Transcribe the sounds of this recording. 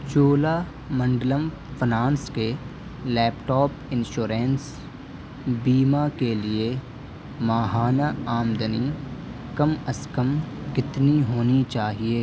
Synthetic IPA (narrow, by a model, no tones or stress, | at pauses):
t͡ʃoːlaː | mɐ̃ɳɖləm | fʰɪnãːnske | lɛːpʈɔːpɪ̃nʃoːɾẽːns | biːmakelie | maːɦaːnaaːmd̪əni | kɐmɐskəmkɪt̪niɦoːnit͡ʃaːɦieː